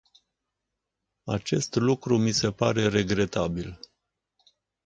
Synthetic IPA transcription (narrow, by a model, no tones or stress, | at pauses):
at͡ʃe̞st̪lukɾumise̞paɾe̞ɾe̞ɡɾe̞t̪abil